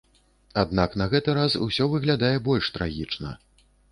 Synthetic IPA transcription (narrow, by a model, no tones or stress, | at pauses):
ad̪̚naknɐɣɛt̪ɨɾasṵsʲɔvɨɣlʲad̪ajɛbɔlʲʂt̪ɾa̰ɣʲit͡ʂnɐ̰